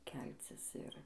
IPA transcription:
ˈkʲɛlʲt͡sʲɪs ˈɪr

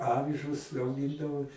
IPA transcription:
ˈɑːʋʲɪʒʊs ɐʊˈɡʲɪndɐʋoː

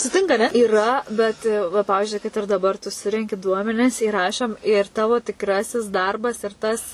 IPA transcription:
sʊˈtʲɪŋkɐ ɐˈnʲɛ iːˈrɐ bʲɛt ʋɐ ˈpɑːʋʲɪzʲd͡ʒʲʊɪ kɐt ɪr dɐˈbɐr tʊ ˈsʊrʲɛŋʲkʲɪ ˈduɔmʲɛnʲɪs iːˈrɑːʃoːm ɪr ˈtɑːʋoː tʲɪkˈrɑːsʲɪs ˈdɐrbɐs ɪr ˈtɐs

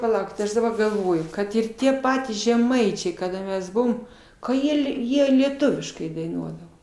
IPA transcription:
pɐˈlˠɐʊkʲɪt ˈɐʃ dɐˈbɐr ɡɐlˠˈʋoːjʊ ˈkɐt ɪr ˈtʲiɛ ˈpɑːtʲiːs ʒʲɛˈmɐɪt͡ʃʲɛɪ kɐˈdɐ ˈmʲɛs ˈbʊʋoːm kɐ ˈjiɛ lʲiɛ ˈjiɛ lʲiɛˈtʊʋʲɪʃkɐɪ dɐɪˈnuɔdɐʋoː

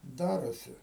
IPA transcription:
ˈdɑːroːsʲɪ

